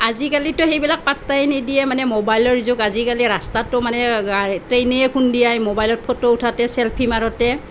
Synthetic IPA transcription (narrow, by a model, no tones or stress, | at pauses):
azikalitʊxejbilak̚patːajnidijɛmanɛmobajlɔɹizʊkazikaliɹastatʊmanɛatɹeneɛkʰundijajmobajlɔt̚pʰotoutʰatɛsɛlpʰimaɹɔtɛ